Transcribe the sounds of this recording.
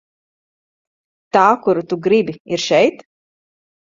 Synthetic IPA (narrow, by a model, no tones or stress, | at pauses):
t̪aːkuɾut̪uɡɾibiiɾʃɛjt̪